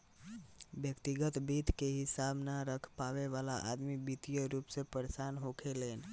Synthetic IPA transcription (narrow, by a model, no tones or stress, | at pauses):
bjəkt̪iɡət̪bit̪keɦisabnaɾəkʰpaʋeʋalaʔad̪mibit̪ijəɾupsẽpəɾsanɦokʰelen